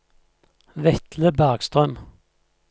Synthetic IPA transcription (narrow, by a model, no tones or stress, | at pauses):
ʋɛt̪ləbæʁɡst̪ʁœm